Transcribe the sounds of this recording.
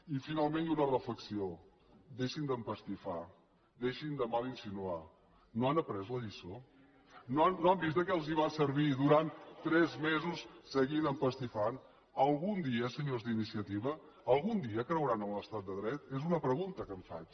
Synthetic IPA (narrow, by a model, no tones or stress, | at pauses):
ifinalˠmẽnd̪unərəfləksio | d̪eʃind̪əmpəst̪ifa | ðeʃind̪əmalˠinsinua | noanəpɾɛzləʎiso | noanːoambist̪əkɛlˠziβansəɾβ̞iðuɾant̪t̪ɾɛzmezusːəɣinəmpəst̪ifan | əlˠɣund̪iəsəɲozðinisiət̪iβə | əlˠɣund̪iəkɾəwɾanənləst̪at̪̚d̪əðɾɛt̪ezunəpɾəɣunt̪əkəɱfa̰t͡ʃ